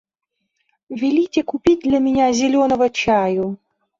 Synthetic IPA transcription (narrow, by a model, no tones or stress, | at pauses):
vʲilʲitʲekupʲit̚ʲd̪lʲamʲɪnʲazʲɪlʲonəvət͡ɕaju